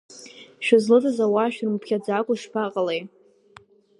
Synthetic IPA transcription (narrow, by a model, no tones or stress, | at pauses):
ʃᶣɪzlɨdɨzawaʃᶣrmpʰkʲad͡zakʷʼʊʂpʰaqʼalej